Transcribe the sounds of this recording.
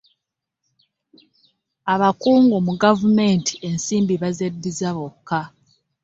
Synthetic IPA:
aβakuːŋɡomuɡavume̞nti̥e̞nsiːmbiβazedːizaβokːa

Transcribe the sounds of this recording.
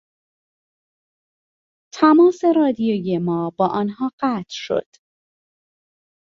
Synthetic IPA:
t̪ʰæmɒːse̞ɾɒːd̪ijoːjemɒːbɒːʔɒːnɦɒːɢæːt̪ʰʃo̞̰d̪̥

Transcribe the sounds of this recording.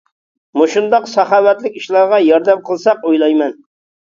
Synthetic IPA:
muʃund̪ɑqsɑχɑːwɛt̪lɪkʲiʃlˠɑɾʁɑjɑɾd̪æmqʰəlˠsɑqojlˠɑjmɛn

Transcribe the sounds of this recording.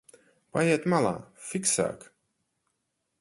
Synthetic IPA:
pajɛɛt̪malˠa̰ːfiksa̰ːk

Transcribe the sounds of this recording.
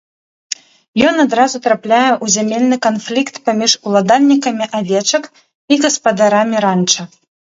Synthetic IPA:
jɔnad̪ɾazut̪ɾaplʲajɛʔuzʲamʲelʲnɨkanflʲikt̪pamʲiʂulˠad̪alʲnʲikɐmʲiʔavʲɛt͡ʂɐk | iɣɐspad̪aɾamʲiɾant͡ʂɐ

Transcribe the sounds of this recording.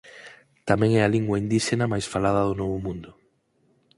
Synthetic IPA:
t̪amɛ̃ŋɛaliŋɡwaind̪iʃenamajsfalað̞ɐðonɔβʊmũnd̪ʊ

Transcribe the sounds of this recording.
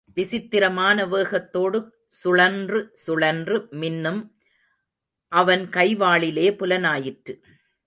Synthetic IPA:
ʋɪsɪt̪ːɪɾɐmaːnɐʋeːɣɐt̪ːoːɽɯk | sʊɭɐndrɯsʊɭɐndrɯmɪnːɯm | ʔɐʋɐnkɐɪʋaːɭɪleːpʊlɐnaːjɪʈrɯ

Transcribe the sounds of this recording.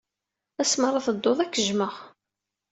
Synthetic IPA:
æsməɾˤɑθəd̪ːoðˤækːəʒməʁ

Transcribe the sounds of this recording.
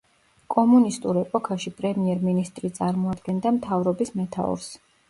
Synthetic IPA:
kʼɔmunist̪ʼuɾɛpʼɔkʰaʃipʼɾɛmiɛɾminist̪ʼɾit̪sʼaɾmɔad̪ɡɛnd̪amt̪ʰavɾɔbismɛt̪ʰa̰ɔ̰ɾs

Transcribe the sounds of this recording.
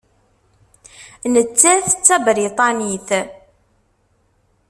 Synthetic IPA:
nət͡sːæθt͡sːæbɾit̪ˤɑniθ

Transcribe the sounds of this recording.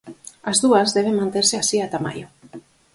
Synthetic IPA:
azðuazðɛβ̞eŋmãnt̪eɾseasiat̪ama̰ʎo

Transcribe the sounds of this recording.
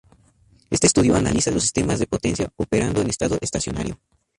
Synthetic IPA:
e̞st̪est̪uðjoana̰lisalosi̥st̪emazðepot̪e̞nsjaopeɾand̪oenest̪aðoʔest̪asjo̞na̰ɾjo̰

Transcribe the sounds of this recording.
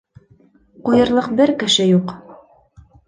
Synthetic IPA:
qujɤ̆ɾlˠɤqbɘɾkɘ̆ʃɘjuq

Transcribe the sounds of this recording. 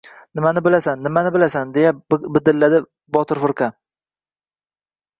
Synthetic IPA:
nɪmanɪbɪlasanːɪmanɪbɪlasand̪e̞jabɪd̪ɪlːad̪ɪ | bɒt̪ʰɪɾfʊɾka

